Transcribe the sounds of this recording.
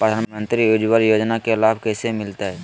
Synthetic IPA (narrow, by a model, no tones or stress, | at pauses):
pɾəd̪ʱaːnmə̃nt̪ɾioːd͡ʒwəɾjoːd͡ʒnakelaːbkɛːsemɪlt̪aɦɛː